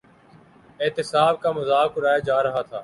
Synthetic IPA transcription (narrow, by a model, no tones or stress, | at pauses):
eːt̪ɪsaːb̚kaːmʊzaːkʊɾaːjaːd͡ʒaːɾɐɦaːt̪ʰaː